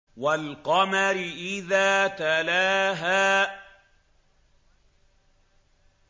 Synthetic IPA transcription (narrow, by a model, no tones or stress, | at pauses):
walqɑmaɾɪʔɪðaːt̪alaːɦaː